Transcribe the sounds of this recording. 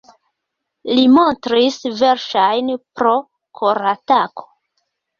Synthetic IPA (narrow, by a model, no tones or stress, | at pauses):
limo̞ntɾisve̞ɾʃajnpɾo̞ | kʰoɾatako̥